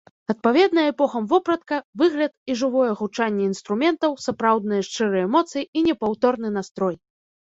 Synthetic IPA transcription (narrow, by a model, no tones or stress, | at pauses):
ɐt̪̚pavʲɛd̪nɐjɐɛpɔxɐmvɔpɾɐt̪̚kɐvɨɣlʲɐt̪̚iʐɨvɔjɛɣut͡ʂanʲːɛinst̪ɾumʲɛnt̪ɐwsapɾawd̪̚nɨjɐʂt͡ʂɨɾɨjɛmɔt̪sɨjiinʲɛpawt̪ɔrnɨnast̪ɾɔj